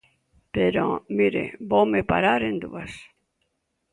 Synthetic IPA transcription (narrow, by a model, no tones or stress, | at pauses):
peɾo̰miɾḛbowmepa̰ɾaɾend̪uas